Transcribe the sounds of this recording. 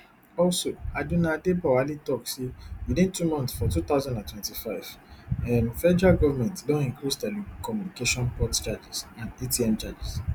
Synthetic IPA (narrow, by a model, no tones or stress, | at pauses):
ɔlsoadunãdebawalitɔksewidĩntumɔ̃ntsfɔtut̪aʊzãndãntwɛ̃ntifaɪvɛmfɛd͡ʒaɡɔvamɛ̃ntdɔ̃nĩkɾisdɛlibkɔmjũnikeʃɔ̃npɔtt͡ʃad͡ʒisãndetiɛ̃mt͡ʃad͡ʒis